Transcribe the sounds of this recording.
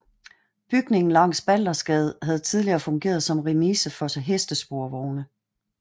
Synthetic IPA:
b̥yɡ̥ne̝ŋn̩lɑ̈ŋ̰sb̥æl̰ɐsɡ̥ɛð̞̩ˠɦæð̞̩ˠt͡sʰið̞ˠliɐːfɔ̽ŋɡ̥e̝̰ːɐðˠsɒ̽mʁimiːsəfɒ̽sɦesd̥əsb̥o̝ɐʋɒʊnə

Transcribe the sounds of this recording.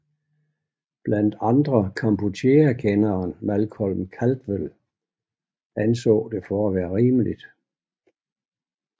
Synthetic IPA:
b̥læn̰d̥ɑ̈nd̥ʁɐkʰɑ̈mbʰut͡sʰe̝ɐkʰenɐːnmælkʰɒlmkʰæld̥ʋel | ænsɔ̰̽ːd̥e̝fɒæʋæːɐʁiːməlid̥

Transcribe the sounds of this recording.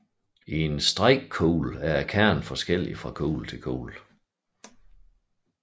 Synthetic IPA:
iensd̥ʁaɪ̰ɡ̥kʰoːlæɐkʰæɐ̰nfɒ̽sɡ̥el̰ḭfʁɑ̈kʰo̰ːlt͡sʰe̝lkʰo̰ːl

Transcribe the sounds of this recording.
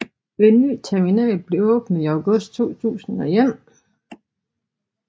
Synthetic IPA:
ʋenːy̰ːt͡sʰæɐminɛ̰ːlb̥le̝ɔ̽ːb̥n̩ˠiɑʊɡ̥ɔsd̥̚t͡sʰo̝̰ːt͡sʰṵːsn̩ɒ̽em

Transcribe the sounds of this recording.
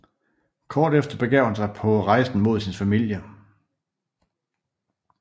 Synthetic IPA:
kʰɒːd̥efd̥ɐb̥e̝ɡ̥ɛʊ̰hænsɑ̈ɪpʰɒ̽ʁɑ̈ɪsn̩mo̝ð̞̰ˠsinfæmil̰jə

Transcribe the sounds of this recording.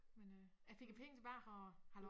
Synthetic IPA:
menø | jæfe̝ɡ̥jæpʰeŋət͡sʰe̝b̥ɑ̈ːɒhɑlɒ

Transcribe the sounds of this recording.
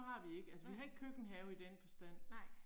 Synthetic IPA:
hɑ̈ʋie̝ɡ̥əælsəʋiɦɑ̈e̝ɡ̥̚kʰøɡ̥n̩ɦɛːʊid̥enfɒ̽sd̥æn̰

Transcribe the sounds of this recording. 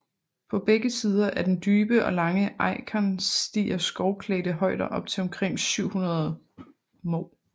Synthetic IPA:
pʰɒ̽b̥eɡ̥əsiːð̞ˠɐʔæɐd̥end̥yːb̥əʔɒ̽lɑ̈ŋəʔɑ̈ɪkʰænsd̥ḭːɐsɡ̥ɒʊkʰleːdəɦɒ̽ɪd̥ɐʔɒ̽b̥t͡sʰe̝lɒ̽mkʰʁeŋ̰syʊ̰hunɐðˠ | mɔʊ

